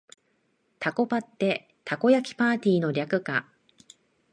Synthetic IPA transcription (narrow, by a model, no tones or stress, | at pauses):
t̪ʰako̞pat̪ːe̞ | t̪ʰako̞jakʲi̥paːt̪ʲiːno̞ɾʲakɯ̟ka